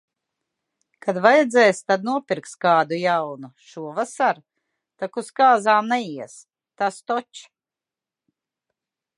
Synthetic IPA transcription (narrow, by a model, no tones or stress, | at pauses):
kad̪vajɛd̪zɛjst̪ad̪̚nuɔpʲiɾkt̪st̪kaːd̪ujawnuʃuɔvasaɾ | t̪akuskaːzaːmnɛjiɛs | t̪ast̪ɔt͡ʃ